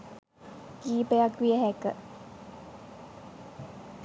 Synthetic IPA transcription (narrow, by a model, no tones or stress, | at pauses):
kiːpejɐkʋiəɦekə